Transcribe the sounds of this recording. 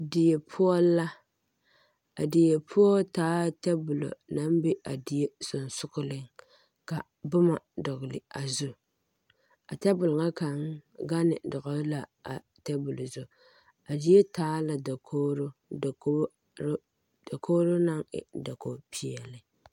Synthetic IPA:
dɪ˨je˨pʰʊ˦ɔː˦a˦ | a˨dɪ˨je˨pʰʊ˦ɔ˦taː˦tɛ˦bʊ˨lo̰˨na˨˦m˦be˦a˨di˨je˦sʊ˨n˨sʊ˦kʊ˦lɪ˦ŋ | ka˨ | bʊ˦ma˨dʊ˨ɣʊ˨lɪ̰˨a˨zu˦ | a˨tɛ˦bʊ˨lŋa˦ka˨ŋɡa˦nɪ̰˨dʊ˨ɣa˨˦la˨a̰˨ | tɛ˦bʊ˨lo˨zʊ˨ | a˨di˨˦je˦taː˦la˨da˨kʰo˦ɾo˦˨˦ | da˨kʰo˦ɾo˦na˦ŋɪ̰˨da˨ko˨pʰi˨ɛ˨lɪ˨

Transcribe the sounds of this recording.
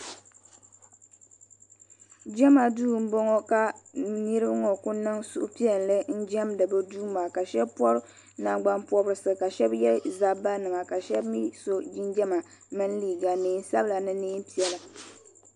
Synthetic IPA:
d͡ʒɛ˦ma˨duː˦˨m̩˦bɔ˦ŋɔ˦ka˨ni˦ɾɨ˦bɨ˦ŋɔ˨kʊ˦nɨ˦ŋsu˦ʔʊ̰˦pi˦ɛ˦llɨ˦n̩˦d͡ʒɛ˦mdɨ˨bɨ˦duː˦maː˨ka˨ʃɛ˦bpɔ˦ɾɨ˦ | na˦ɡ͡ba˦npɔ˦bɾɨ˨sɨ˨ka˨ʃɛ˦bjɛ˦lza˦ba˦nɨ˨ma˨ka˨ʃɛ˦bmi˦so˦d͡ʒi˦nd͡ʒɛ˦ma˨ | mɨ˦n˦liː˦˨ɡa˨niː˨˦n˦sa˦bla˨nɨ˦niː˦m˦pi˦ɛ˨lɨ˨

